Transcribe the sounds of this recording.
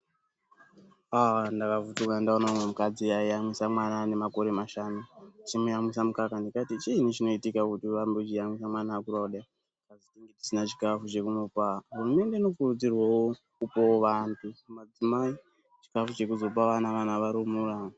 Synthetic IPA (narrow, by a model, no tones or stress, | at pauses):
andakavutukandaonaumwe̞mukad͡ziaiamwisamwanane̞mako̞ɾe̞maʃanut͡ʃimujamwisamukakandikatit͡ʃiːnit͡ʃino̞itikakutiʋambet͡ʃijamwisamwanaːkuɾauɗa | kazitiŋɡeti̥sinat͡ʃi̥kafut͡ʃe̞kumupaɦurume̞nde̞ino̞kurud͡zirwawo | kupooʋantʰukumad͡zimai | t͡ʃi̥kafut͡ʃe̞kuzo̞p̬aʋanaʋanaʋaɾumura